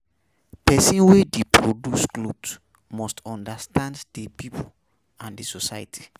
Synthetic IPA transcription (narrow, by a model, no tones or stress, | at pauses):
pɛsĩnwedepɹodusklubs | mɔstɔ̃ndastʰãnddepipʰo | ãndesosajtʰi̥